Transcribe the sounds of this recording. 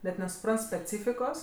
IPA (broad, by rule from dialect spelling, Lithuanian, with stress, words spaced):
nʲɛt nʲɛsʊˈprɐnt sʲpʲɛˈt͡sʲiːfʲɪkoːs